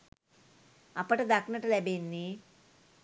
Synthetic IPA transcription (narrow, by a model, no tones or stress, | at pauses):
ɐpːɐʈud̪ɐkːnɐʈulebenːi